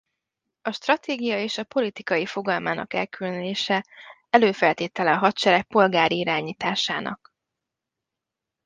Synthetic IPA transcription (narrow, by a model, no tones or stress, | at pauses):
ɒʃt̪rɒt̪eːɡijɒeːʃɒpo̞lit̪ikɒjifo̞ɡɒlmaːnɒ̰kɛ̰lkylnleːʃɛ | ɛløːfɛlt̪eːt̪ɛlɛɒɦɒt̪t͡ʃɛɾɛk̚po̞lɡaːɾiiɾaːɲiːt̪aːʃaːnʔɒ̰k